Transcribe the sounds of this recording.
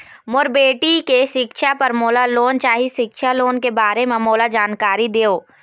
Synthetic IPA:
mʊɾbeːʈikeʃɪkʃʰapɐɾmoːlaloːnt͡ʃaːɦiʃɪkʃaloːnkebaːɾemẽmoːlad͡ʒaːnkaːɾid̪eːoː

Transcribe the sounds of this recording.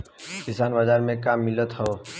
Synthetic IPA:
kɪsaːnbad͡ʒaːɾmẽkaːmːɪlət̪ɦoː

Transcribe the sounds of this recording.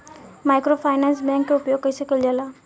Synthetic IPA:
majkɾopʰajnansbaŋkeupjoɡ̚kəjsəkəld͡ʒala

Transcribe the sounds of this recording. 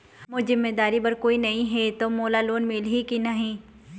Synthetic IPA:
mʊzɪmːeːd̪aːɾibɐɾkoːinɐɦĩɦɛt̪omoːlaloːnmeːlɦikinɐɦĩː

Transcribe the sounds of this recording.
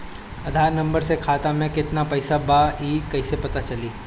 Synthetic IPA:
ɐd̪ʱaːɾnɐ̃mbəɾsekʰaːt̪amẽkɪt̪napɐɪsabaiːkɐisepɐt̪at͡ʃɐliː

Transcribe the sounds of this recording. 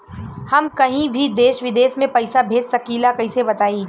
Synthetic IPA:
hɐmkɐɦĩbʱid̪eːʃʋɪd̪eːʃmẽpɐɪsabʱeːd͡ʒsɐkiːlakɐɦisebɐt̪aːiː

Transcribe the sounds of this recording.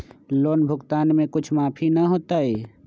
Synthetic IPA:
loːnbʱʊɡt̪aːnmẽkʊt͡ʃʰmaːpʰinɐɦoːt̪aɦɛː

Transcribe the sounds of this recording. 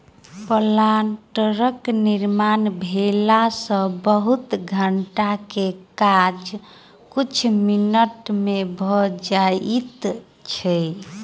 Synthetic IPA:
pəlanʈəɾəkniɾmanbʱelasə̃bəɦut̪ɡʱəɳʈakekad͡ʒ | kut͡ʃʰminəʈmebʱɔd͡ʒait̪ | t͡ʃʰɛ

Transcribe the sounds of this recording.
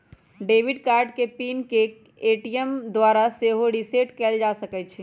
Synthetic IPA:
ɖeːʋɪɖkaːɾɖkepiːnke | eːʈijəmd̪waːɾaseːɦoɽiseːʈkɛːld͡ʒasəkɛt͡ʃʰi

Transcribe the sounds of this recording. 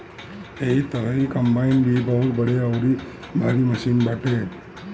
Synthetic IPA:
eit̪əɾəikəmbainbibəɦut̪bəɽeaʋɾi | bʱaɾiməʃinbaʈe

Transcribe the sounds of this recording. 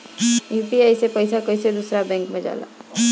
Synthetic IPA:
juːpiajsepəjsakəjsed̪usɾabɛ̃ŋkmẽd͡ʒa̰ːla̰

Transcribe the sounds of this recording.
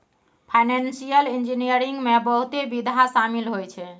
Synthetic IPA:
pʰajnensijəlind͡ʒinijəɾiŋɡmebəɦut̪ebid̪ʱasamilɦojt͡ʃʰɛ

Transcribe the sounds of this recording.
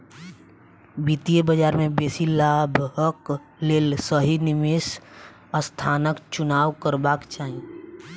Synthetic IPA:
biːt̪iebəd͡ʒaːɾmẽbeːsilaːbʱɦək | leːlsəɦinɪmes | əst̪ʰaːnəkt͡ʃʊnaːwkəɾbaːkt͡ʃaːɦĩ

